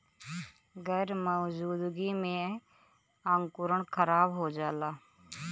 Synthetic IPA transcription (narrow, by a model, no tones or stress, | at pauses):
ɣɛːɾməːd͡ʒuːd̪ɡimẽ | əŋkʊɾəɳkʰəɾaːbɦoːd͡ʒaːlaː